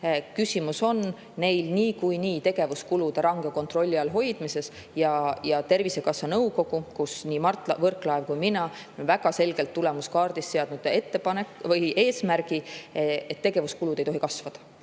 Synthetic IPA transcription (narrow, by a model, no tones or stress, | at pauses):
kysʲimuso̞nː | e̞jlniːkujniːt̪e̞ɡ̥e̞vuskulud̪̥eɾɑŋɡ̥eko̞nt̪ro̞lʲːiɑlɦo̞jd̪̥mise̞s | jɑjɑt̪e̞rvise̞kɑsːɑnɤwko̞ɡ̥ukusniːmɑrt̪ˑlɑvɤrklɑevkujminɑ | nvæɡ̥ɑse̞lɡ̥e̞lt̪ːule̞muskɑːrd̪̥isseɑd̪̥nud̪̥e̞t̪ːe̞pɑne̞kvɤjʔe̞ːsmæɾɡ̥iet̪ːeɡ̥e̞vuskulud̪̥e̞jt̪o̞ɦikɑsvɑd̪̥ɑ̥